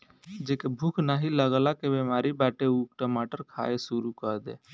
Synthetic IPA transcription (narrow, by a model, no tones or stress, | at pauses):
d͡ʒeːkebʱukʰnaɦiləɡlakebemaːɾibaːʈeukʈəmaːʈəɾkʰa̰ːesuɾukəɾd̪ḛː